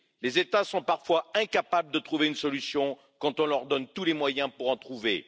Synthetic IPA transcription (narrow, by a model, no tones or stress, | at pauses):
lezet̪asɔ̃paʁfwaɛ̃kapabləd̪ət̪χuveynsɔlysjɔ̃ | kɑ̃t̪ɔ̃lœʁd̪ɔnt̪ulemwajɛ̃puʁɑ̃t̪χuvḛ